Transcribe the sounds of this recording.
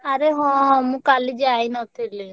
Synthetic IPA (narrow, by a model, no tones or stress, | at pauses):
aɾeɦɔ̃mũkalid͡ʒainɔt̪ile